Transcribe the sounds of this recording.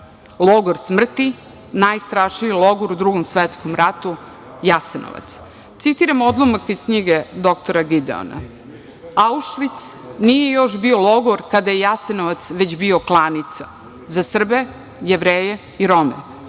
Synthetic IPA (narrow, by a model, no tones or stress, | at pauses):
lˠoɡoɾsmr̩t̪i | najst̪ɾaʃnijilˠoɡoɾud̪ɾuɡomsʋet̪skomɾat̪u | jaseno̰ʋa̰t̪s | t̪sit̪iɾamo̞d̪lˠomakiskɲiɡed̪o̞k̚t̪oɾaɡid̪ḛo̰na̰ | auʃʋit̪snije̞jo̞ʃbio̞loɡoɾkad̪ajejasenoʋat̪sʋed͡ʑbio̞klˠanit̪sa | zasr̩be̞ | jeʋɾeːje | iɾo̞mḛ